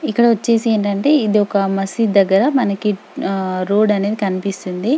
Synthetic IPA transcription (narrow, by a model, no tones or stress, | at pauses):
ikːɐɽɐʋɐt͡ʃːe̞ːsie̞ːɳʈɐɳʈe̞ːid̪iɔkɐmɐsid̪ɐɡːɐɾɐmɐnɐki | ɾo̞ːɖɐne̞ːd̪ikɐnipist̪und̪i